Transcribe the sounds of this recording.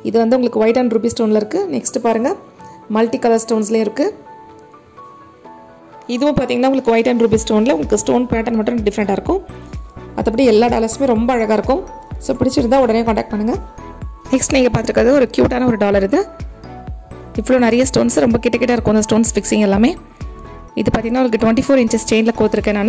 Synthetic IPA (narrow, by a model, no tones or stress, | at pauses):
ɪðɯʋɐnd̪ɯʊŋɡɐɭɯkːɯʋɐɪʈɐnɾuːbiːsʈoːnlɐɪɾɯkːɯnɛksʈɯpaːɾɯŋɡɐ | mɐlʈikɐlɐɾsʈoːnslẽɪɾɯkːɯ | ɪðɯʋʊ̃paːɾt̪iːŋɡɐnaːʊŋɡɐɭɯkːɯʋɐɪʈɐnɾuːbiːsʈoːnlɐʊŋɡɐɭɯkːɯsʈoːnpaːʈːɐnmɐʈːʊ̃ɖɪfɐɾɛɳʈaːɪɾɯkːʊ̃ | ɐðɐp̬ːɐʈiɛlːaːɖa̰ːlɐɾsmeːɾɔmbɐːɻɐɣaːɪɾɯkːʊ̃ | soːpɪɽɪt͡ʃːɪɾɯnd̪ãːɔɽɐɾɐjãkɐɳʈɛːk̚ʈ̚pɐɳːɯŋɡɐ | nɛksʈniːŋɡɐpaːɾt̪ɪɾɯkːaːðɔɾɯkjṵːʈaːnɐɔɾɯɖaːlɐɾɯðɯ | ɪpːɐɭoːnɐɾɐjɐsʈoːnsɾɔmbɐkɪʈːɐkːɪʈːaːɪɾɯkːʊ̃nd̪ɐsʈoːnsfɪksɪŋɡɐɛlːaːmeː | ɪðɯpaːɾt̪iŋɡɐnaːʊŋɡɭkːɯʈʋɛɳʈifoːɾɪnt͡ʃɪst͡ʃeɪnd͡ʒɪlɐkoːt̪ːɪɾɯkːẽːnaːn